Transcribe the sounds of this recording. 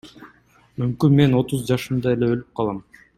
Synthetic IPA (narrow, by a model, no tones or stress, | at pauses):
mymkynme̞no̞t̪uzd͡ʒɑʃɯmd̪ɑe̞leølyp̚qʰɑlˠɑm